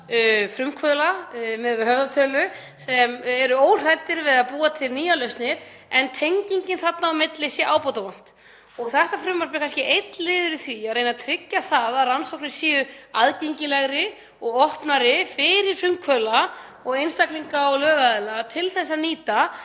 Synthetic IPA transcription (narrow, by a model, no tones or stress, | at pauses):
fɾʏmkʰvœːlamɛðhœvðat̪ʰœːlʏ | sɛmɛɾʏoːwr̥ajt̪ɪɾvɪðapuːat̪ʰɪlniːjalœɥst̪nɪɾ | ɛnt̪ʰejɲciɲcɪnθat̪naɔmɪt̪lɪsjɛʔaːwpɔt̪avan̥t̪ | ɔɣθɛht̪afɾʏmːaɾs̬pɪ̥kʰanscɪʔejt̪lɪːðʏɾɪθviareːjnat̪ʰɾɪcːaθaðaðransowknɪ̥siːʏaðcejɲcɪlɛɣɾɪ | ɔɣɔhpnaɾɪfɪɾɪɾ̥fɾʏmkʰvœːla | ɔɣejnst̪akliŋkaɔɣlœːɣaðɛlat̪ʰɪlθɛs̬ːaniːt̪a